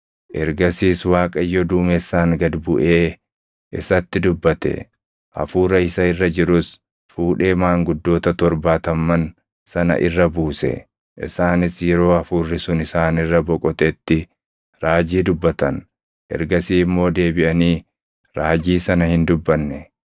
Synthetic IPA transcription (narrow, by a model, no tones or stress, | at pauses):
ʔɛɾɡɐsiːswaːkʼɐjːɔd̪uːmɛsːaːŋɡɐd̪bʊʔeː | ʔɪsɐt̪ːɪd̪ʊbːɐt̪ɛ̰ | ʔɐ̰fuːɾɐɪsɐɪrːɐd͡ʒɪɾʊs | fuːᶑe̞ːmaːŋɡʊd̪ːo̞ːt̪ɐt̪ɔɾbaːt̪ɐmːɐn | sɐnɐ̰ʔɪ̰rːɐbuːsɛ̰ | ʔɪ̰saːnɪsjɛɾo̞ːɐfuːrːɪsʊnɪsaːnɪrːɐbɔkʼɔt̪ɛt̪ːɪ | ɾaːd͡ʒiːd̪ʊbːɐt̪ɐn | ʔɛ̰ɾɡɐsiːmːo̞ːd̪e̞ːbɪʔɐniː | ɾaːd͡ʒiːsɐnɐhɪnd̪ʊbːɐnːɛ